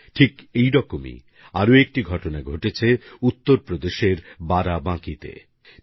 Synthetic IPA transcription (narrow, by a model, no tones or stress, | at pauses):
ʈʰikejɾɔkomḭ | aɾoek̚ʈiɡʱɔʈonaɡʱoʈet͡ɕʰeut̪ːoɾpɾod̪eʃeɾbaɾabãkit̪ḛ